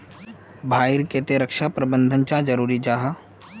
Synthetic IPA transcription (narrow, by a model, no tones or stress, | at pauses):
bʱaːɪɾket̪eɾəkʃapɾɐbə̃nd̪ʱənt͡ʃad͡ʒɐɾuːɾid͡ʒaːɦa